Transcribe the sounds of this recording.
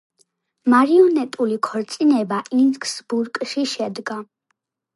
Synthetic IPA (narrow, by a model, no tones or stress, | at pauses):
maɾiɔnɛt̪ʼulikʰɔɾt̪sʼinɛbaʔinskʰsbuɾkʼʃiʃɛd̪ɡa